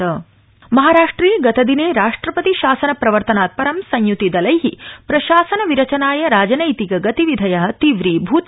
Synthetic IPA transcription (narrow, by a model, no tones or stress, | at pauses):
ɐ | mɐɦaːɾaːʂʈɾiːɡɐt̪ɐd̪ineːɾaːʂʈɾɐpɐt̪iʃaːsɐnɐpɾɐʋɐɾt̪ɐnaːt̪̚pɐɾɐmsɐɲjut̪id̪ɐlɐjɦipɾɐʃaːsɐnɐʋiɾɐt͡ʃɐnaːjɐɾaːd͡ʒɐnɐjt̪iɡɐɡɐt̪iʋid̪ʱɐjɐɦɐt̪iʋɾiːbʱuːt̪